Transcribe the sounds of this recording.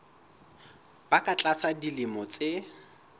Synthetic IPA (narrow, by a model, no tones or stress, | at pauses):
b̥akʼat͡ɬʼasʰadilɪmɔt͡sʼe